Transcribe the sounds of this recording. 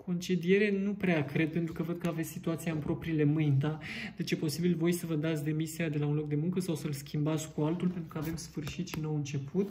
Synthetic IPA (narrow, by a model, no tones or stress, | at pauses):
kʰo̞nt͡ʃed̪ije̞ɾe̞nupɾeakɾe̞d̪̚pe̞nt̪ɾukəvəd̪̚kəavet̪sʲsit̪uat̪siaɨmpɾo̞pɾile̞mɨjnd̪ad̪̥e̞t͡ʃepo̞sibilvo̞jsəvəd̪at̪sʲd̪e̞misiad̪e̞launlo̞k̚d̪e̞muŋkəsawsəlskʲimbat̪sʲkualt̪ulpe̞nt̪ɾukəave̞msfɨrʃit̪ʃinowɨnt͡ʃe̞put̪